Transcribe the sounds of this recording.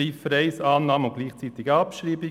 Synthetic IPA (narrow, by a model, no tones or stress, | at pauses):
iːfɾɛɪsɑːnːɑːməʊn̚ɡ̥liːχt͡siːt̪ɪɡəɑpʃɾiːbɪ